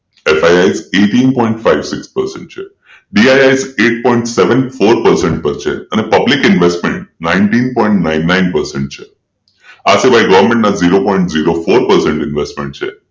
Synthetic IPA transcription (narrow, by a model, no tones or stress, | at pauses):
efajajzeʈinpɔĩɳʈfaiʋsɪkspəɾsɛ̰̃ɳʈ̚t͡ʃʰe | ɖiajajzeʈ̚pɔiɳʈseʋənfoɾpəɾsɛɳʈ̚pəɾt͡ʃʰḛənepəblikɪnʋesʈmẽɳʈ̚nãinʈinpɔiɳʈnaɪnːainpəɾsɛ̃ɳʈ̚t͡ʃʰe | asiʋaiɡəʋəɾmẽɳʈnaziɾopɔ̃iɳʈziɾofoɾpəɾsɛɳʈɪnʋesʈmẽɳʈ̚t͡ʃʰe